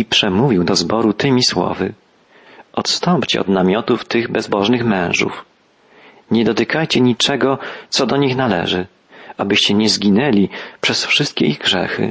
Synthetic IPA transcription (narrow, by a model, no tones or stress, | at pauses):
ipʂɛmuvʲiwd̪ɔzbɔɾut̪ɘmʲiswɔ̰vɘ | ʔɔt̪st̪ɔmpt͡ɕɛ̰ɔ̰d̪namʲjɔt̪uft̪ɘɣbɛzbɔʐnɘxmɛ̃w̃ʐṵf | ɲɛd̪ɔt̪ɘkajt͡ɕɛɲit͡ʂɛɡɔt̪sɔd̪ɔɲixnalɛ̰ʐɘ | abɘɕt͡ɕɛɲɛzɡʲinɛlʲipʂɛsfʂɘst̪̚kʲɛiɣɡʐɛ̰xɘ̰